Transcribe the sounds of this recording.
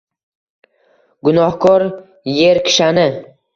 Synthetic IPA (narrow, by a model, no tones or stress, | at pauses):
ɡʊnɒhkʰɒɾ | je̞ɾkʲʰɪ̥ʃanɪ